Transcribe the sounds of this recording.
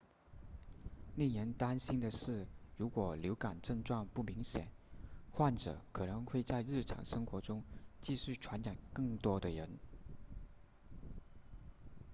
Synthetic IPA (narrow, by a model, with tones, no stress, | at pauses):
ni˥˩nə˧˥nt̪a˥nɕi˥nd̪ə˨ʂɻ̩˥˩ɻu˧˥kwɔ˨˩ljo˧˥ʊka˨˩nʈ͡ʂɤ˥˧ŋʈ͡ʂwa˥˧ŋpu˥˩mi˧˥ŋɕjɛ̰˨˩˦nxwa˥˩nʈ͡ʂɤ̰˨˩˦kʰɤ˨˩nɤ˧˥ŋxwe˥˧ɪt͡sa˥˧ɪɻɻ̩˥˩ʈ͡ʂʰɑ̰˨˩ŋʂɤ˥ŋxwɔ˧˥ʈ͡ʂʊ˥ŋt͡ɕi˥˧ɕy˥˩ʈ͡ʂʰwa˧˥nt͡ɕa˨˩nkɤ˥˩ŋt̪wɔ˥d̪ə˨ɻə˧˥n